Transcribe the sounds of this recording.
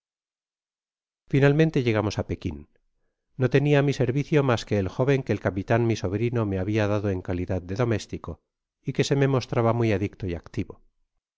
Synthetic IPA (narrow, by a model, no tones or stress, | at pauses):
finalmẽnt̪e̞ʎe̞ɣ̞amo̞sape̞kinː | o̞t̪e̞niamise̞ɾβiθjomaske̞ːlxo̞β̞e̞ŋke̞ːlkapit̪anmiso̞βɾino̞me̞aβiaðaðoe̞ŋkaliðaðd̪e̞ðo̞me̞st̪iko̞ | ike̞se̞me̞mo̞st̪ɾaβamijaðikt̪oiakt̪iβo̞̰